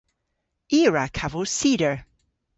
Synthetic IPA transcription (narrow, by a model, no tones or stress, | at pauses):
iɹakʰavosidə˞